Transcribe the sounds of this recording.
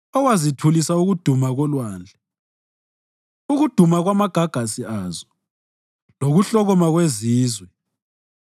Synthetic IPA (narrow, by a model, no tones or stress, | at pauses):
ɔwazitʰulisauɣud̥ʱumaɣɔlwaːnd͡ɮʱɛ | uɣud̥ʱumaɣwamaɡ̥ʱaɡ̥ʱasiaːzɔ | loɣuɬɔɣɔmaɣweziːzwɛ